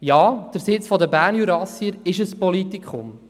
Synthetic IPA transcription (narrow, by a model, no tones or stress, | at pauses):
jɑːd̪̥əɾsɪt͡sfɔdəbæːɾnjuɾɑsiəɾɪʃəspɔlit̪ikχʊm